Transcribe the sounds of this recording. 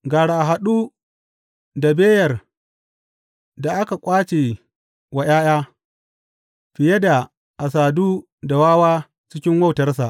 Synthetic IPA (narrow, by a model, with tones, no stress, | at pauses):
ɡaː˨ɽa˨ʔa˨ɦa˨ɗuː˦ | da˨beː˦jɐ˨r | da˨ʔa˦ka˨kʷʼaː˦t͡ʃe˨ | wa˨j̰aː˦jaː˦ | ɸɪ˨je˦da˨ | ʔa˨saː˨duː˦ | da˨waː˦waː˦ | t͡ʃɪ˦kʲɪ˦ŋwa˦˨wtɐ˦rsa˨ʔ